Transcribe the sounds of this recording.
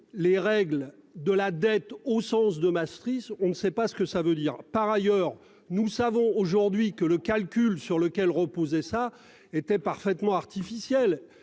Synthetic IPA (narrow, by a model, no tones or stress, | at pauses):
leʁɛɡl | d̪əlad̪ɛt̪osɑ̃sd̪əmast̪χisɔ̃nəsɛpasə̥kəsavød̪iːʁpaʁajœːʁ | nusavɔ̃oʒuʁd̪ɥikələkalkʲylsyʁləkʲɛlʁəpozɛsa | et̪ɛpaʁfɛt̪mɑ̃aʁt̪ifisjɛl